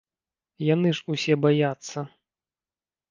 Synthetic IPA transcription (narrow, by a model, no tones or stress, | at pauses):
janɨʐusʲɛbajat̪sːɐ